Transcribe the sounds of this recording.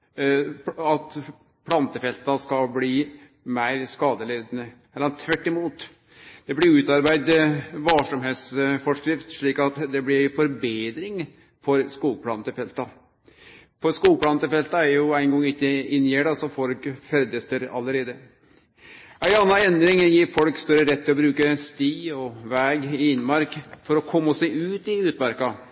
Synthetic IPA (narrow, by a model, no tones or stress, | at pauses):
ɑt̪ | pʰlɑnt̪əfɛlt̪ɑskɑbliː | mæɪɾskɑːd̪əleːd̪ənə | ɛlɑnt̪ʰʋæʈːɪmuːt̪ | d̪̥ɛblɪɾjʊʉːt̪ɑɾbæɪd̪ʋɑʂɔmɦeːt̪sfɔʂkɾɪft̪ʂɭiːkɑt̪d̪ɛblɪɪfɔɾbeːd̪ɾɪŋ | fɔɾskuːlpʰlɑnt̪ɪfɛlt̪ɑ | pɔɾskuːlpʰlɑːnt̪ɪlfɛlt̪ɑæɾjʊæɪənɡɔŋːɪkːəɪnːjeːɖɑsɔfɔlkfɛɾd̪əst̪əɾɑ̰lːəɾeːd̪ə | æɪɑnːɑnɛnd̪ɾɪŋjiːɾfɔlkst̪œɾəɾɛt̪ːɪlɔbɾʉːkəst̪iːɔʋæːɡɪɪnːmɑɾkfɔɾɔkʰɔmːɔsæɪʉːt̪ɪʉːt̪mæɾkɑ